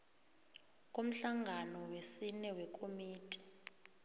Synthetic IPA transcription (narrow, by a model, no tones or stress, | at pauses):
k̬ʼom̩ɬaŋʱanɔwesinɛwɛk̬ʼomiːtʼɛ̥